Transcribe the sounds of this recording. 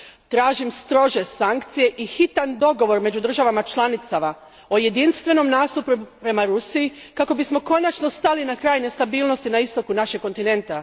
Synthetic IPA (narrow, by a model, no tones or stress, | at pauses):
t̪ɾaːʒimst̪ɾo̞ʒe̞saŋkt̪sije̞ʔixit̪and̪o̞ɡo̞ʋo̞ɾme̞d͡ʒud̪r̩ʒaʋamat͡ʃlˠanit̪sama | o̞je̞d̪inst̪ʋe̞no̞mnaːst̪upupɾe̞maɾusiji | kako̞bismo̞ko̞nat͡ʃno̞st̪alinakɾaːjne̞st̪abiːlˠno̞st̪inaist̪o̞kunaʃekko̞nt̪ine̞nt̪a